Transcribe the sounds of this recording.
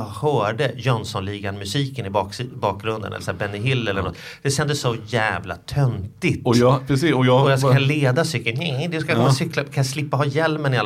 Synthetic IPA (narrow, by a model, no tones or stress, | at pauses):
ɡhœːɖəjɔnsɔnliːɡanmɵsiːkənɪbɑːbɑːk̚ɡɾɵnd̪ənɛ̰lːəsæːɾbɛnːɪɦɪlːɛlːənɔt̪ː | d̪̥ɛɕɛnd̪əsːɔjæːvla̰t̪ʰœnt̪ɪt̪ɔpɾɛsiɔjɑɔjaskkʰaleːd̪asʏkːəlnɛd̪ɵskajkɔnasʏklakʰanjaslɪpːaɦɑːjɛlmənɪal